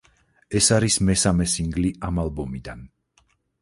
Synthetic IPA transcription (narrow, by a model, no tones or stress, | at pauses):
ɛsaɾismɛsamɛsiŋɡliamalˠbɔmid̪an